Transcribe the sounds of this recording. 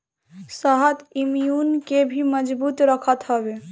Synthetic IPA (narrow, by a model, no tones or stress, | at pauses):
səɦət̪imijunkebʱiməd͡ʒbut̪ɾəkʰət̪ɦəbe